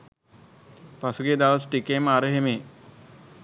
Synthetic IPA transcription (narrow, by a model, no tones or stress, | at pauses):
pasuɡed̪aʋəsʈikeməaɾəɦemeː